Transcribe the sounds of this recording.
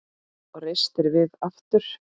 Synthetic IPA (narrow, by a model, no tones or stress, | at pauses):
ɔɣrejst̪ɪɾvɪðaft̪ʏɾ̥